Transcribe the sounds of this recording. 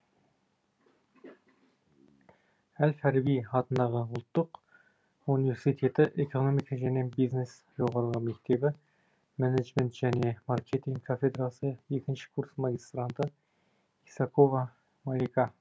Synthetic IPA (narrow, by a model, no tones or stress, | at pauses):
hælfæɾbijχɑt̪ʰɨnd̪ɑʁəʊlˠt̪ːʊq | univeɾsit̪ʰet̪ʰɪʔekʰonomikʰɑʒænebiznes | joʁɑɾəʁˠɑmæk̚ʲt̪ʰebɪ | mæned͡ʒment̪ʒ̥ænemɑɾkʲʰet̪ʰiŋɡkʰofed̪ɾɑsɨjjek̪ʲʰɪnt͡ʃʰɪ̥kʰuɾsmɑɡʲist̪ɾant̪ʰɨ | isɑkʰovɑ | mɑɾikʰɑ